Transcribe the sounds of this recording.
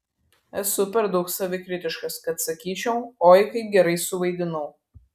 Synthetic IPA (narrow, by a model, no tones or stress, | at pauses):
ɛsʊpʲɛɾd̪ɐʊksɐʋʲɪkɾʲɪt̪ʲɪʃkɐskɐt̪sɐkʲiːt͡ʃʲɛʊoːjkɐɪɡʲɛɾɐɪsʊʋɐɪd̪ʲɪnɐʊ